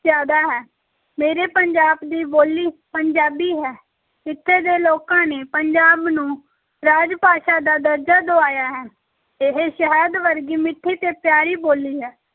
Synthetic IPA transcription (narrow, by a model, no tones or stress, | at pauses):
zjaːd̪aːɦɛː | meːɾeːpəɲd͡ʒaːbd̪iːboːliːpəɲd͡ʒaːbiːɦɛː | ɪt̪ʰːeːd̪eːloːkãːneːpəɲd͡ʒaːbnũː | ɾaːd͡ʒpaːʃaːd̪aːd̪əɾd͡ʒaːd̪oːaːjaːɦɛː | eɦeːʃəɦɛːd̪ʋəɾɡiːmɪʈʰːiːt̪eːpjaːɾiːboːliːɦɛː